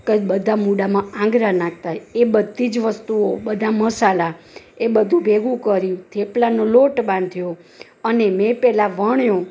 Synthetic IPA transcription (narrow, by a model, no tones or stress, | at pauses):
kebəd̪ʱamuɽamããŋɡɾanãk̚ʰt̪aebəd̪ʱːid͡ʒʋəst̪uobəd̪ʱaməsala | ebəd̪ʱũbʱeɡũkəɾjũt̪ʰeplanoloʈbãnd̪ʱjõ | ənemẽpɛlaʋəɳjõ